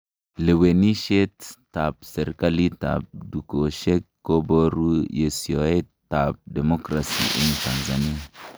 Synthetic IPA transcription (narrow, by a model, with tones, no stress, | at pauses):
le˨we˨ni˦ʃe˦tː | a˨p̚se˨ɾka˦li˦ta̰˨p̚du˨ko˨ʃe˦kːo˦bo˦ɾu˦je˨si˨o˨e˦tta˨p̚de˨mo˦kɾa˨sḭ˦ʔi˨nta˨nza˨ni˦